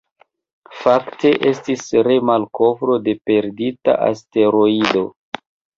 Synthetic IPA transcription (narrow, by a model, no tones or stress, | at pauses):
fakte̞ʔe̞stisɾe̞malko̞vɾo̞de̞pe̞ɾdita̰ʔa̰ste̞ɾo̞ido̞